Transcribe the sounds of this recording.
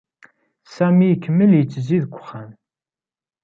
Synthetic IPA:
sæmijəkːəmːəljət͡sːziðɡʷʊ̥χːæn

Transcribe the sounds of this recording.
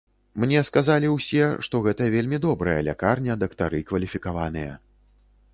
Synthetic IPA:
mnʲɛskazalʲiwsʲɛʂt̪ɔɣɛt̪ɐvʲelʲmʲid̪ɔbɾɐjɐ̰lʲa̰karnʲɐd̪ɐkt̪aɾɨkvɐlʲifʲikavan̪ɨjɐ̰

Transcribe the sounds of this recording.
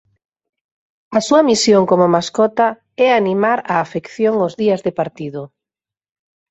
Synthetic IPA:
ɐsuɐmisjoŋkomomaskɔt̪a | ɛanimaɾaːfekθjoŋozðiɐzðɪpaɾt̪iðʊ

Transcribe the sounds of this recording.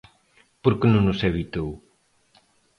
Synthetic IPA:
poɾkenũŋnʊseβit̪ow

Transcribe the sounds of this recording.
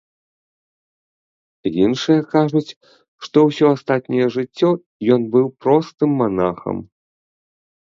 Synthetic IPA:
jinʂɨjɐkaʐut͡sʲ | ʂt̪ɔwsʲɔast̪at̪̚ʲnʲijɛʐɨt͡sʲːɔ | jɔnbɨwpɾɔst̪ɨmːana̰xɐ̰m

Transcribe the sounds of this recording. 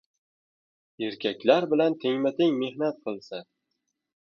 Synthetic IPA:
e̞ɾkʲʰakʲlaɾbɪlant̪ʰɪŋmat̪ʰɪŋme̞hnat̪̚qʰɨlˠsa

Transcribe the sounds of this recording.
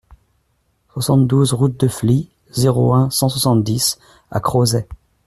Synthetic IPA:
swasɑ̃t̪d̪uzʁut̪̚d̪əfli | zeʁoɛ̃sɑ̃swasɑ̃t̪d̪is | a̰kχozɛ

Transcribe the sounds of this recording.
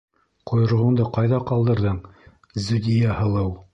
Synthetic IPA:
qojɤ̆ɾʁɤ̆ɴd̪ɤqɑjðɑqɑlˠd̪ɤ̆ɾðɤɴ | zud̪ʲijæhɤ̆lˠɤw

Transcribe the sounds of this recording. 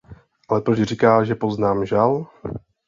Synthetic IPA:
ʔalɛpɾot͡ʃr̝ikaːʒɛpo̞znaːmʒal

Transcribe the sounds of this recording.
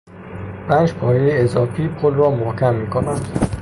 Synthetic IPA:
bæːnʃpʰɒːjejeezɒːfiːpʰolrɒːmohcʰæmːiːkʰonænd̪̥

